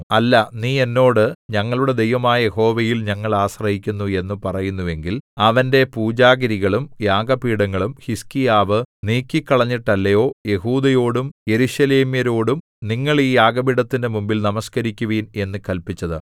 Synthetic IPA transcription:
ɐlːɐniːe̞nːo̞ːɽɨɲɐŋːɐɭuɽe̞d̪e̞jʋɐmaːjɐje̞ho̞ːʋɐjilɲɐŋːɐɭaːɕrɐɦikʲːunːue̞nːupɐrɐjunːuʋe̞ŋɡilɐʋɐnde̞puːd͡ʑaːɡɐɾiɣɐɭumjaːɡɐpiːɽɐŋːɐɭumhiskijaːʋɨniːkːikːɐɭɐɲːiʈːɐlːɐjo̞ːje̞huːd̪ɐjo̞ːɽumje̞ɾuɕɐle̞ːmjɐɾo̞ːɽum | niŋːɐɭiːjaːɡɐbiɽɐt̪ːinde̞mumbilnɐmɐskɐɾikʲːuʋiːne̞nːɨkɐlpit͡ɕːɐðɨ

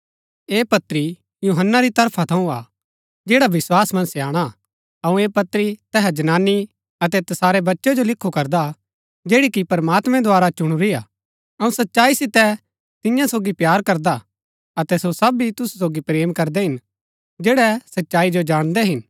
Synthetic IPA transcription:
eːpɐt̪ɾi | juɦənːaɾit̪ɐɾpʰat̪ʰɐ̃ũa | d͡ʒeːɽaʋɪswaːsmɐ̃nsɛaːɽ̃a | ɐũeːpɐt̪ɾit̪ɛːɦad͡ʒɐnaːnːi | ɐt̪ɛt̪ɐsaːɾɛbɐtːʃɛd͡ʒolɪkʰːukɐɾd̪a | d͡ʒeːɽikipɐɾmaːt̪mɛ̃d̪ʱʊaːɾat͡ʃʊɽ̃uɾiaː | ɐũsɐtːʃaːisɪt̪ɛ | t̪ɪjãsoːɡipjaːɾkɐɾd̪a | ɐt̪ɛsosɐbit̪ʊsu̥soːɡipɾeːmkɐɾd̪ɛɦɪn | d͡ʒeːɽɛsɐtːʃaːid͡ʒod͡ʒaːɽ̃d̪ɛɦɪn

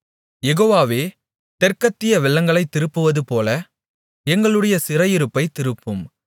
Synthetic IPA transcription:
jɛɣoːʋaːʋeː | t̪ɛrkɐt̪ːɪjɐʋɪɭːɐŋɡɐɭɐɪt̪ːɪɾɯpːɯʋɐðɯpoːlɐ | ɛŋɡɐɭɯɽɐjɐsɪrɐjɪɾɯpːɐɪt̪ːɪɾɯpːɯm

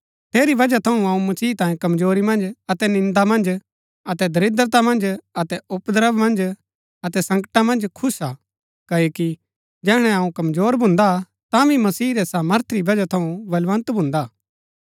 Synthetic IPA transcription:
t̪ʰeːɾibɐd͡ʒat̪ʰɐũɐũmɐsiːt̪ãːĩkɐmzoːɾimɐ̃nd͡ʒɐt̪ɛnɪ̃nd̪amɐ̃nd͡ʒ | ɐt̪ɛd̪ʱɐɾɪd̪ɾət̪amɐ̃nd͡ʒɐt̪ɛʊpd̪əɾəbmɐ̃nd͡ʒ | ɐt̪ɛsɐ̃ŋkəʈamɐ̃nd͡ʒkʰʊsa | kɐoki | d͡ʒɛːɽ̃ɛɐũkɐmzoːɾbʱʊ̃nd̪a | t̪ãʋimɐsiːɾɛsɐmɐɾt̪ʰɾibɐd͡ʒat̪ʰɐũbɐlʋə̃nt̪bʱʊ̃ːnd̪aː

